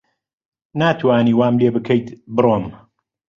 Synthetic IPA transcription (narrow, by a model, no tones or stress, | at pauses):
naːt̪ʰwaːniːwaːmleːbɨkʰɛjt̪bɨroːm